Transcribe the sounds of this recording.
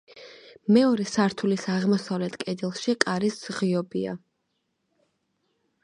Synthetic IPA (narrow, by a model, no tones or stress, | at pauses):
mɛɔɾɛsaɾt̪ʰulisaʁmɔsavlɛt̪ʰkʼɛd̪ɛlˠʃikʼaɾiszʁiɔbia̰